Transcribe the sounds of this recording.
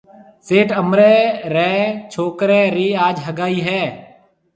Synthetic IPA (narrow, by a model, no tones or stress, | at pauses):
seːʈəmɾɛːɾɛːt͡ʃʰoːkɾɛːɾiːaːd͡ʒɦəɡaːiːɦɛː